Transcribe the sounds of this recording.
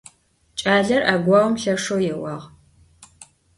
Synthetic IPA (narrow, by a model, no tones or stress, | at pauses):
t͡ʃʼaːɮɐrʔaːɡʷɑːwʊmɬɐʂowjɛwɑːʁ